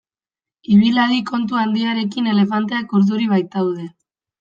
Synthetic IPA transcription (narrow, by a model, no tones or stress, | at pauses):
iβ̞ilaðiko̞nt̪̬uand̪iaɾe̞k̬ine̞le̞fant̪̬e̞akoɾðuɾiβ̞ajt̪awðe̞